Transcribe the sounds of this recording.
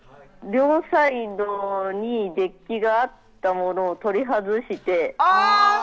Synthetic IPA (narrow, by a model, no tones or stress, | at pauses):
ɾʲo̞ːsaid̪oɲ̟id̪e̞kʲːiɡaːt̪ːamo̞no̞ːt̪o̞ɾʲiɦazɨɕit̪e̞a